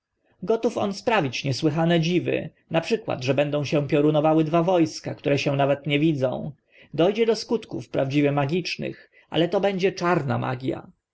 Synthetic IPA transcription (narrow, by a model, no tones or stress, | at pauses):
ɡɔt̪ufɔ̰nspɾavʲit͡ɕɲɛswɘxanɛd͡ʑivɘ̰ | napʂɘkwa̰d̪ʐɛbɛnd̪ɔ̃w̃ɕɛ̃pʲjɔɾunɔvawɘd̪vavɔjskakt̪uɾɛɕɛ̃navɛt̪ɲɛvʲid̪zɔ̰̃w̃ | d̪ɔjd͡ʑɛd̪ɔskut̪kufpɾavd͡ʑivʲɛmaɡʲit͡ʂnɘ̰x | ʔa̰lɛt̪ɔbɛɲd͡ʑɛt͡ʂaɾna̰ma̰ɡʲja̰